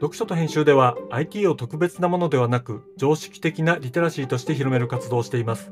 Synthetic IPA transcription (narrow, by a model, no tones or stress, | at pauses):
d̪o̞kɯ̟ɕo̞t̪o̞ɦẽ̞ɕɨːd̪e̞βaːit̪ʲiːo̞t̪o̞kɯ̟be̞t͡sɨnamo̞no̞d̪e̞βanakɯ̟d͡ʑo̞ːɕi̥kʲi̥t̪e̞kʲinaɾʲit̪o̞ɾaɕiːt̪o̞ɕi̥t̪eçiɾo̞me̞ɾɯ̟kat͡sɨd̪o̞ːɕi̥t̪e̞imasɨ̥